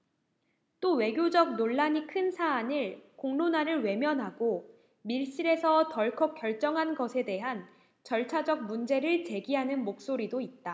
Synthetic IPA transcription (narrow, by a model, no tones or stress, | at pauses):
t͈owe̞ɡjod͡ʑʌk̚noɭːaɲikʰɯnsʰaːnɯɭkoŋnonaɾɯɭwe̞mjʌnɦaɡo | miɭɕ͈iɾe̞sʰʌtʌɭkʰʌk͈jʌɭt͡ɕ͈ʌŋɦanɡʌsʰe̞de̞ɦan | t͡ɕʌɭt͡ɕʰad͡ʑʌk̚mund͡ʑe̞ɾɯɭt͡ɕe̞ɡiɦanɯnmok̚s͈oɾidoit̚t͈a